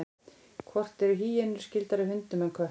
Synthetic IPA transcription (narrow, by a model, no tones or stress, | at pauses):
kʰvɔr̥t̪ɛɾʏɦiːjɛnʏɾ̥scɪlt̪aɾɪhʏnt̪ʏmœnkʰvœ